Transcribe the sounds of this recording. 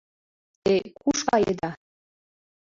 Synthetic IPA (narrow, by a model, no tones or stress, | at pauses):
t̪ekuʃkɑjed̪ɑ